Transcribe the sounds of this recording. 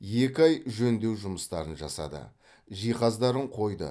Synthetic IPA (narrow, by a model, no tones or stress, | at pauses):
je̞kʲɪɑjʒɵnd̪e̞wʒʊməst̪ɑɾənʒɑ̰sɑ̰d̪ə̰ | ʒijqɑzd̪ɑɾəɴqʰo̞jd̪ə̰